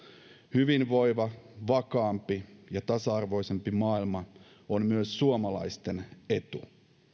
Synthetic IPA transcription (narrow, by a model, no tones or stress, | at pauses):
hyʋinʋo̞jʋɑʋɑkɑːmpijɑt̪ɑsɑɑrʋo̞jse̞mpimɑːilmɑ | ommyøsːuomɑlɑ̰jst̪e̞ne̞t̪u